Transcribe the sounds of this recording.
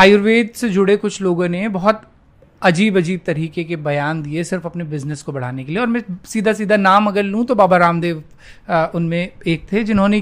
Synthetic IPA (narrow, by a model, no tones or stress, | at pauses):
aːjʊɾʋeːd̪sed͡ʒʊɽekʊt͡ʃʰloːɡõnebɔɦɔt̪ | ɐd͡ʒiːbɐd͡ʒiːb̚t̪ɐɾiːkekebɐjaːnd̪iesɪɾfɐpnebɪznəskobɐɽ̤aːnekelieɔːɾmɛ̃siːd̪ʱasiːd̪ʱanaːmɐɡəɾlɦũt̪obaːbaɾaːmd̪eːʋ | ʊnmẽeːk̚t̪ʰed͡ʒɪnɦõne